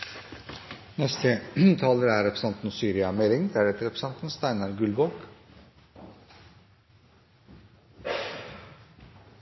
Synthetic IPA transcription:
nɛst̪ʰət̪ʰɑːləɾæɾɛpʰɾəsɑnt̪n̩ɔsyːɾɪɑmeːɾɪŋd̪æːɖɛt̪əɾɛpɾəsɑnt̪n̩st̪æɪnɑɾɡʉlbɔːk

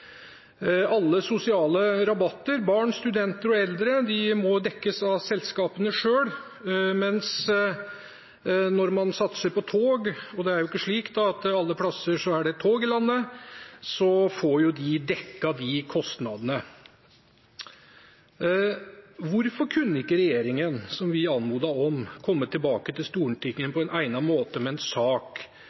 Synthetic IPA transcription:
ɑlːəsʊsɪɑːləɾɑbɑt̪ːəɾbɑːɳst̪ʉd̪ɛnt̪əɾɔɛld̪ɾəd̪ɪmɔd̪ɛkːəsɑʋsɛlskɑːpənəʂøːɽ | mɛns | nɔɾmɑnsɑt̪səɾpɔt̪ʰoːɡɔd̪ɛæɾjʊɪkːəʂɭiːkt̪d̪ɑɑt̪ɑlːəpʰlɑsəʂɔæɖɛt̪ʰoːɡɪlɑnːə | sɔfɔɾjʊd̪ɪd̪ɛkːɑd̪ɪkʰɔst̪nɑd̪ənə | ʋʊɾfɔɾkʰʉnːəɪkːəɾɛjeːɾɪŋənsɔmʋɪɑnmuːd̪ɑɔmkʰɔmːət̪ʰɪlbɑːkət̪ʰɪlst̪uːɳʈʏkːənpʰɔɛnæɪnɑmoːt̪əmɛɛnsɑːk

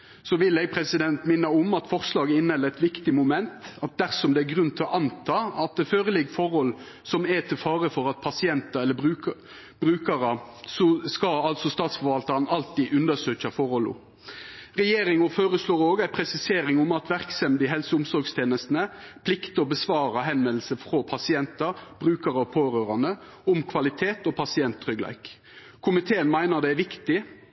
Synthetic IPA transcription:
sɔʋɪlːɛɡ̚pʰɾɛsɪd̪ɛnt̪mɪnːəʊmɑt̪fɔʁslɑːɡəɪnːhɛlːəɛt̪ʋɪkt̪ɪmʊmɛnt̪ɑt̪̚d̪æɾsɔmd̪ɛæɾɡʁʉnːt̪ʰɪlɔʔɑnt̪ʰɑːɑt̪̚d̪ɛføːɾəlɪɡəfɔɾhɔlː | sɔmɛt̪ʰɪlfɑːɾəfɔɾɑt̪̚pʰɑsɪɛnt̪ɑɛlːəbʉː | b̥ɾʉːkɑɾɑ | sɔskɑɑlt̪sɔst̪ɑːt̪sfɔɾʋɑlt̪ɑɾnɑlt̪iːʔʉnd̪əsøːçɑfɔɾhɔlːʊ̰ | ʁɛjeːɾɪŋɔføːɾəsloːɾoːɡæɪpʰɾɛsɪseːɾɪŋʊmɑt̪ʋæʁksɛmd̪ɪɦɛlsəʊmsɔɾɡst̪ʰeːnəst̪nəpʰlɪkt̪əɔbəsʋɑːɾɑɦɛnʋɛlsəfʁopʰɑsɪɛnt̪ɑb̥ɾʉːkɑɾəɔpʰoːɾøːɾɑnd̪əʊmkʰʋɑlɪt̪ʰeːt̪ɔpʰɑsɪɛnt̪ʰːʁʏɡlæ̰ɪk | kʰʊmɪt̪ʰeːənmæɪnəd̪ɛæʋɪkt̪ɪ

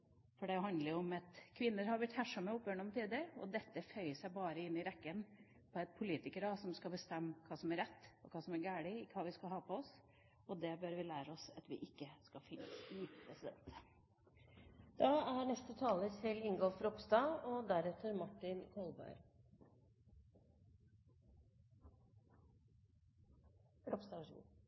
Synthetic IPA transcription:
fɔɖɛɦɑnd̪ləɾɔmɑt̪kʰʋɪnːəɾhɑɾblɪʈ̪ːhæʂɑməʊpːjøːɳɔmt̪ʰiːd̪əɾɔ̰d̪ɛt̪ːəfœʏəsæɪbɑːɾəɪnːɪɾɛkːən | pʰɔɛɪt̪̚pʰʊliːt̪ɪkəɾɑsɔmskɑbəst̪ɛmːkʰɑːsɔmæɾɛt̪ːɔkʰɑːsɔmæɾɡæːɽɪɪkʰɑːʋɪskɑɦɑːpʰɔɔs | ɔd̪ɛbœɾʋɪlæːɾəɔsɑt̪ʋɪ̰ʔɪkːəskɑfɪnːə̰sɪpʰɾɛsɪd̪ɛ̰nt̪ | d̪̥ɑːæɳɛst̪ət̪ʰɑːləsʰɪlɪŋɡɔlfɾɔpst̪ɑɔd̪æɾɛt̪ʰəɾmɑʈːɪnkʰɔlˠbæ̰ɪɾ | ɾɔpst̪ɑɑʂɡṵ

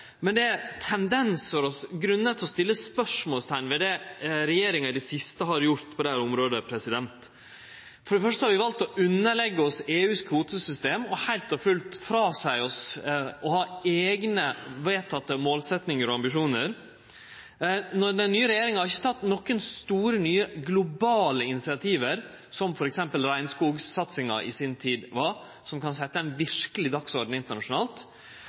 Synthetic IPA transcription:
mɛnd̪ɛæɾt̪ʰɛnd̪ɛnsfɔɾɔɡɾʉnːət̪ʰɪlɔst̪ɪlːəspœʂmoːlst̪ʰæɪnʋɛd̪ɛɾɛjeːɾɪŋəd̪ɛsɪst̪əɦɑɾjʊɾt̪pʰɔd̪ɛæːɾʊmɾoːd̪əpʰɾɛsɪd̪ɛnt̪ | fɔɖɛfœʂt̪əhɑɾʋɪʋɑlt̪ɔʔʉnːəɭɛɡːəɔseːʉːskʰuːt̪əsʏst̪eːmɔhæɪlt̪ɔfʉlt̪fɾɑːsæɪɔsɔhɑːeːɡnəʋeːt̪ʰɑt̪ːəmoːlsɛt̪nɪŋəɾɔɑmbɪʂuːnəɾ | nɔd̪ɛnnːyːəɾɛjeːɾɪŋəhɑɾɪçːə̥t̪ʰɑt̪ːnɔkːənst̪uːɾənyːəɡlʊbɑːləɪnɪsɪɑt̪ʰiːʋəɾ | sɔmfɔɾɛksɛmpəlɾæɪnskuːɡsɑt̪sɪŋɑ̰ʔɪ̰sɪnt̪ʰiːd̪ʋɑɾ | sɔmkɑns̬ɛt̪ːəɛɪnʋɪɾkəlɪd̪ɑksɔɾɖɳ̩ɪnt̪əɳɑʂʊnɑːlt̪

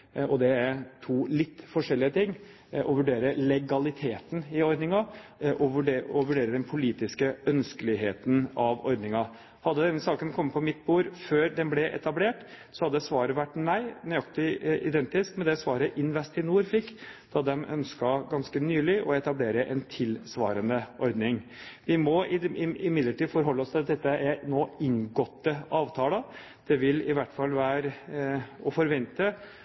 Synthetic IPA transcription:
ʔɔd̪ɛæɾʈ̪ʰuːlɪt̪ːfɔʂɛlːɪət̪ʰɪŋː | ʔɔʋʉɖeːɾəlɛɡɑlɪt̪ʰeːt̪ən̩ɪɔɾd̪nɪŋɑʔɔʋʉɖeɔʋʉɖeːɾəd̪ɛnpʰʊliːt̪ɪskəœnskəlɪɦeːt̪ən̩ɑʋɔ̰ɾd̪nɪŋɑ | hɑd̪ːəd̪ɛnsɑːkənkʰɔmːəpʰɔmɪt̪̚ːbuːɾføːɾd̪ɛnblɛʔɛ̰t̪ɑbleːʈ | sɔhɑd̪ːəd̪ɛsʋɑːɾəʋæʈːnæɪnʏɑkt̪ɪɪd̪ɛnt̪ɪskmɛnd̪ɛsʋɑːɾəʔɪnʋɛst̪ɪnuːɾfɪkːd̪̥ɑd̪ɛmʔœ̰nskɑɡɑnskənyːlɪʔɔɛt̪ɑbleːɾəʔɛ̰nt̪ʰɪlsʋɑ̰ːɾənəʔɔɾd̪nɪŋ | ʋɪmɔɪɪɪmɪd̪ləʈiːd̪fɔɾɦɔlːəɔst̪ʰɪlɑt̪̚d̪ɛt̪ːəʔæɾnoːɪŋɡɔt̪ːəɑːʋt̪ʰɑːlə | d̪̥ɛʋɪlɪʋæʈːfɑlːʋæːɾ | ɔfɔɾʋɛnt̪ə

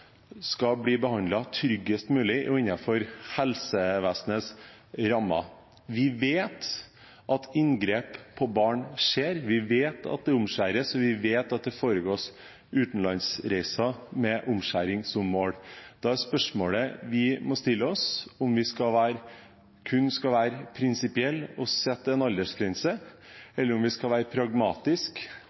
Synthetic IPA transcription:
skɑbliːbəhɑnd̪lɑt̪ʰɾʏɡːəst̪mʉːlɪʔʊ̰ɪnːɑfɔɾhɛlsəʋæsnəsɾɑmːɑ̰ | ʋɪʋeːt̪ | ʔɑt̪ʰɪŋɡɾeːppʰːɔbɑːɳʂeːɾʋɪʋeːt̪ʰɑ̰t̪̚d̪ɛʊmʃæːɾəsɔʋɪʋeːt̪ɑt̪̚d̪ɛfoːɾəɡoːs | ʉːt̪n̩lɑnsɾæɪsɑmɛʔʊmʃæ̰ːɾɪŋsɔmːoːɽd̪̥ɑæɾspœʂmoːɽəʋɪmɔst̪ɪlːəɔsɔmʋɪskɑlʋæːɾə | kʰʉnːskɑʋæːɾəpʰɾɪnsɪpɪɛlːɔsɛt̪ːəɛnɑld̪əʂɡɾɛnsəɛlːəɾʊmʋɪskɑʋæːɾəpʰɾɑɡmɑːt̪ɪsk

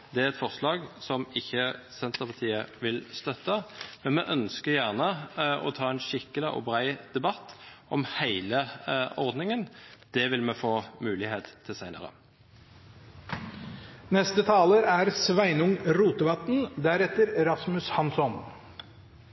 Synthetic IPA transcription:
d̪ɛæʁɛt̪fɔʁslɑːɡsɔmɪçːəsɛnt̪əpʰɑʁt̪ʰiːəʋɪlst̪œt̪ːəmɛnmɛʔœnskəʁjæʁnəʔɔ̰t̪ʰɑːɛnʃɪkːəlɪʔɔ̰bʁæɪd̪ɛbɑt̪ːʔɔmhæɪləɔʁd̪nɪŋənd̪̥ɛʋɪlmɛfoːmʉːlɪheːt̪t̪ʰːɪlsæɪnə̰ʁə̰ | nɛst̪ət̪ʰɑːləɾæɾsʋæɪnʊŋɾuːt̪əʋɑt̪n̩d̪æɾɛt̪əɾɛɾɑsmʉshɑnsɔn

